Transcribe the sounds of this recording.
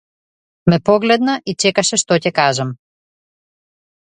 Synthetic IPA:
mɛpɔɡlɛd̪nɐʔit͡ʃɛkɐʃɛʃt̪ocɛkaʒɐm

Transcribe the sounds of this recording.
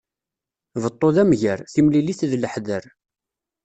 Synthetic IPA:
vət̪ˤːoðæmʝəɾθimliliθðləħðəɾ

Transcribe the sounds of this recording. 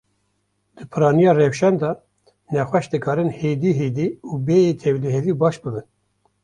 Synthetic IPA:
d̪̥ɨpʰɨɾɑːnijɑːrɛfʃɛnd̪ɑː | nɛxʷɛʃd̪ɨkʰɑːɾɨnheːd̪iːɦeːd̪iːuːbeːjeːt̪ʰɛwliɦɛviːbɑːʃbɨbɨn

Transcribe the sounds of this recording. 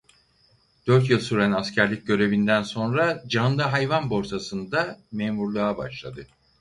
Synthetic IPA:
d̪̥øɾt̪jilˠsuɾænascʰæɾlʲic̚ɟø̞ɾe̞vind̪ænso̞nɾad͡ʒand̪aɦajvanbo̞ɾsʰasɯnd̪ameːmuɾlˠaːba̰ʃlˠa̰d̪ɯ

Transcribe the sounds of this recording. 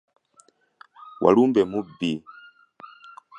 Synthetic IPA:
wʔa̰lumbɛmubi

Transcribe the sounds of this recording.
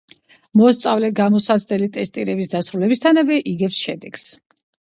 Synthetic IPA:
mɔst̪sʼa̰vlɛɡamɔsasʰʼlɛlit̪ʼɛst̪ʼiɾɛbisd̪asɾulɛbist̪ʰanavɛʔiɡɛpsʃɛd̪ɛɡ̥s

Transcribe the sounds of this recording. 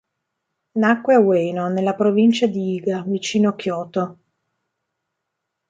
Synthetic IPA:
nakːweaweːnonelːapɾovint͡ʃad̪iiːɡavit͡ʃiːnokjɔːt̪o

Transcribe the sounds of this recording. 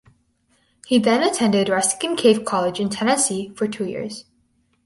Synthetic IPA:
hiðɨ̃nɨtʰɛ̃ndɨdɹɛsɪ̥kɨ̃nkʰeɪv̥kʰɑlˠɪd͡ʒɨ̃ntʰɛnɨsifə˞tʰujɪ̰ɹz̥

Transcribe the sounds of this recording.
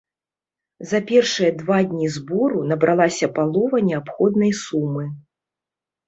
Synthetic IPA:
zɐpʲɛrʂɨjɐd̪vad̪ʲnʲizbɔɾunɐbɾʔalˠasʲɐpalˠɔvɐnʲɛapxɔd̪̚nɐjsumɨ

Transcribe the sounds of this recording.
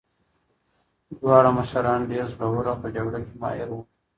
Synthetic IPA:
d̪wɑːɽamaʃaɾɑːnɖeːɾzoɽawəɾapəd͡ʒaɡɽakemɑ̰ːjɪɾwu

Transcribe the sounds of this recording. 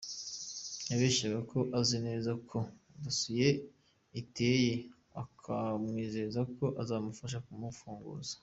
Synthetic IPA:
jaβeːʃaɡako̞ʔazinezakʰo̞ | dusuje̞ | ite̞je | akʰamŋiːzeɾezako̞ʔazaːmufaʃ̬akumufuːŋɡṵzḁ

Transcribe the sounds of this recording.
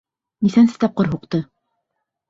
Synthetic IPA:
niθænsɘ̥t̪ɑp̚qɤɾɦuqt̪ɤ

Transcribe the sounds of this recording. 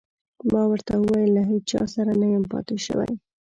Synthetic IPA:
mɑwəɾt̪awəwɑjəlːaɦet͡ʃɑ̰saɾanajəmpɑ̰t̪ɪʃə̰wa̰j

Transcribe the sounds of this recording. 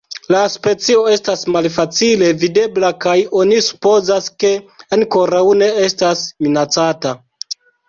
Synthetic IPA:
laspe̞t͡sio̞e̞stasmalfat͡sile̞vide̞blakajo̞nisu̥po̞zaske̞anko̞ɾawne̞e̞stasminat͡sata

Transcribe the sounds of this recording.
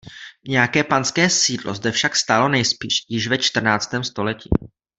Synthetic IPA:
ɲɛjakɛːpanskɛːsiːdlo̞̰zd̪ɛfʃakst̪alo̞nɛjspiːʃjɪʃvɛt͡ʃt̪r̩naːt͡st̪ɛːmst̪o̞lɛcḭː

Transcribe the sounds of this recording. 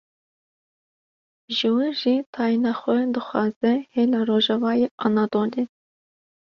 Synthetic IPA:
ʒɨwɨʒit̪ʰɑːjinɑxʷɛd̪ɨxʷɑːzɛhelɑroːʒɑvɑːjeʔɑnɑd̪oːli

